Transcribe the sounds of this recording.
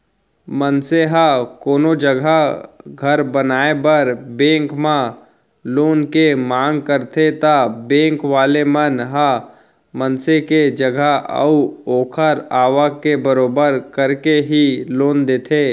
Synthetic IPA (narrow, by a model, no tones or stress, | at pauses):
mənseɦakoːnod͡ʒəɡʱaɡʱɐɾbənaːebəɾbẽːŋkmã | loːnkemãːŋɡkəɾt̪ʰet̪abẽːŋkʋaːlemənɦa | mənseked͡ʒəɡʱaə̰uoːkʰəɾaːʋakebəɾoːbəɾkəɾkeɦiloːnd̪eːt̪ʰeː